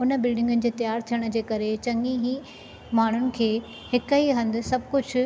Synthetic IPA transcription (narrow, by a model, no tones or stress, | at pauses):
ʊnəbɪlɖɪ̃ŋɡʊnɪ̆d͡ʑeːt̪ɐjaːɾt̪ʰijəɽ̃̆d͡ʑeːkɐɾet͡ɕɐ̃ŋɡiɦi | maːɳ̤ʊnɪ̆kʰeː | hɪkiɦɐ̃nd̪ɪ̆sɐbʱkʊd͡ʑʱ